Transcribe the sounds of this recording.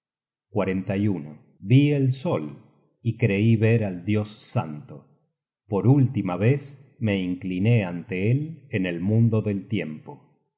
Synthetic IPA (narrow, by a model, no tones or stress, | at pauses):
kwaɾent̪ajuno | βielsol | ikɾeiβeɾald̪jo̞sːa̰nt̪o | poɾult̪imaβesme̞iŋkline̞ant̪eelenelmũnd̪oðelt̪jempo